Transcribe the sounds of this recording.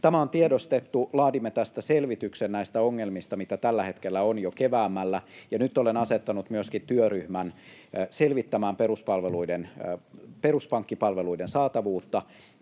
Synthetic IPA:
t̪æmæont̪iedost̪et̪ːulɑːdimːet̪æst̪æselʋit̪yksennæist̪æoŋːelmist̪ɑmit̪æt̪ælːæhet̪kelːæonjokeʋæːmːælːæjɑnyt̪ːolenɑset̪ːɑnut̪myøskit̪yøryhmæn | selʋit̪ːæmæːmperuspɑlʋeluiden | peruspɑŋkːipɑlʋeluidensɑːt̪ɑʋuːt̪ːɑ

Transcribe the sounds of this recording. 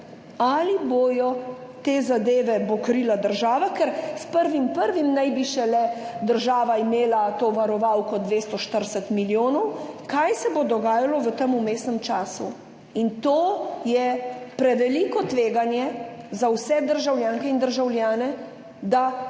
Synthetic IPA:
aliboːjɔ | t̪eːzad̪eːʋɛbɔkɾilad̪əɾʒaːʋakɛɾspəɾʋimpəɾʋimnajbiʃɛlɛd̪əɾʒaːʋaimeːlat̪oʋaɾɔʋawkɔd̪ʋeːst̪ɔʃt̪əɾsɛt̪miljoːnɔwkajsɛbod̪ɔɡaːjalɔʋət̪əmumeːsnɛmt͡ʃaːsṵ | int̪oːjɛpɾɛʋɛliːkɔt̪ʋeːɡanjɛzawsɛd̪əɾʒawljaːŋkɛind̪əɾʒawljaːnɛ | d̪a

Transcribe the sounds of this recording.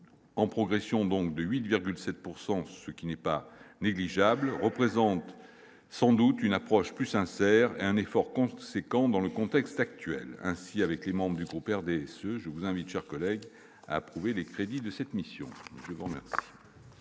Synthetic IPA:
ɑ̃pχɔɡʁesjɔ̃d̪ɔ̃k̚d̪əɥit̪viʁɡʲylsɛt̪̚puʁsɑ̃səkʲinɛpaneɡliʒablʁəpχezɑ̃t̪ | sɑ̃d̪ut̪ynapχɔʃplysɛ̃sɛʁeɛ̃nefɔʁkɔ̃sekɑ̃d̪ɑ̃ləkɔ̃t̪ɛkst̪ak̚t̪ɥɛ̰lɛ̰̃siavɛklemɑ̃bʁəd̪yɡʁupɛʁd̪eɛsøʒəvuzɛ̃vit̪ʃɛʁkɔlɛɡ | a̰ːpχuvelekχed̪id̪əsɛt̪misjɔ̰̃ʒəvuʁəmɛ̰ʁsi̥

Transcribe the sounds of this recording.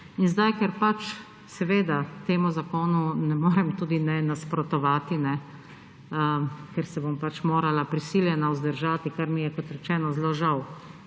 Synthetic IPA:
inzd̪ajkɛɾpat͡ʃ | sɛʋeːd̪at̪eːmuzakoːnunɛmoːɾɛmt̪uːd̪inɛnaspɾɔt̪ɔʋaːt̪inɛ | kɛɾsɛbompat͡ʃmoːɾalapɾisiljɛnauzd̪əɾʒaːt̪ikaɾmijɛkɔt̪ɾɛt͡ʃɛːnɔzloːʒaw

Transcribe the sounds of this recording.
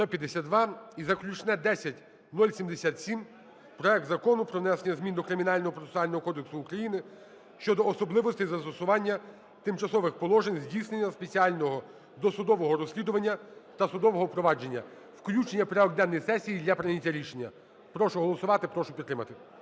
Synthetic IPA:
st̪ɔpʲjɐd̪esʲat̪̚d̪ʋɑizɐklʲut͡ʃnɛd̪ɛsʲɐtʲ | nulʲsʲimd̪esʲat̪sʲim | pɾɔɛk̚t̪zɐkɔnʊpɾɔʋnɛsenʲːɐzmʲind̪ɔkɾɪmʲinɑlʲnɔɦɔpɾɔt̪esʊɑlʲnɔɦɔkɔd̪eksʊːkɾɐjinɪ | ʃt͡ʃɔd̪ɔːsɔblˠɪʋɔst̪ɪjzɐst̪ɔsʊʋɑnʲːɐ | t̪ɪmt͡ʃɐsɔʋɪxpɔlˠɔʒenʲzʲdʲijsnenʲːɐspe̞t͡sʲiɑlʲnɔɦɔ | d̪ɔsʊd̪ɔʋɔɦɔɾɔsʲlʲid̪ʊʋɐnʲːɐt̪ɐsʊd̪ɔʋɔɦɔpɾɔʋɑd͡ʒe̞nʲːɐ̰ | wklʲut͡ʃenʲːɐpɾeɔɡd̪ɛnːɔjsɛsʲijid̪lʲɐpɾɪnʲitʲːɐɾʲiʃenʲːɐ | pɾɔʃʊɦɔlˠɔsʊʋɑt̪ɪpɾɔʃʊpʲit̪ːɾɪmɐt̪ɪ

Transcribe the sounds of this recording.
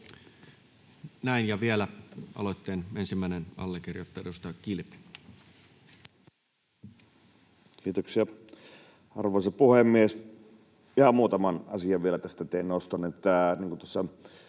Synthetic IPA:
næˑinjɑʋielæʔɑ̰lot̪ːeːnensimːæˑinenɑ̰lːekirjot̪ːɑedust̪ɑjɑkilp | kiːt̪oksiɑ | ɑ̰rʋoˑisɑpuhemːies | ihɑmmuːt̪ɑmɑnɑsiɑʋʋielæt̪æst̪æt̪einost̪onet̪ːæniːŋkunt̪osːɑ

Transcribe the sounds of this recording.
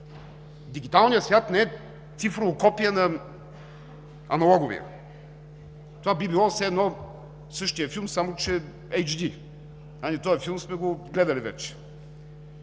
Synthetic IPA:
d̪iɡ̟it̪alˠnijəsvʲjat̪nɛɛ | t̪sifɾovokɔpijənɐ | ɐnɐlˠɔɡʊvḭə̰ | t̪ovabibilˠɔsɛːd̪nɔ | sɤʃt̪ijəfilˠmsamot͡ʃɛ | ɛjd͡ʒd̪i | anit̪ɔjɛfilˠmsmɛɡoɡlɛd̪ɐlivɛ̰t͡ʃɛ̥

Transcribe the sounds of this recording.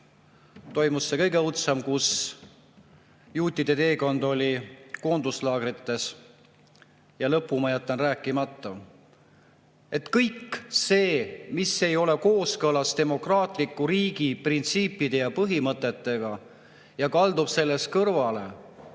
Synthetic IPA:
t̪o̞jmusːe̞kɤ̞jɡe̞ut̪semkus | juːt̪ːˑid̪̥e̞t̪e̞ːko̞nd̪o̞lʲiko̞ːnd̪uslɑːɡ̥rit̪ːe̞s | jɑlɤpːˑumɑjæt̪ˑːɑnræːkːˑimɑt̪ːˑɑ | e̞t̪kɤjkːse̞ːmise̞jo̞le̞ko̞ːskɤlɑst̪e̞mo̞krɑːt̪ˑlikːˑuɾiːɡ̥iprint̪siːpːˑid̪̥e̞jɑpɤɦimɤt̪ːˑe̞t̪ːe̞ɡ̥ɑ | jɑkɑld̪ub̥se̞lːe̞skɤrvɑle̞̰

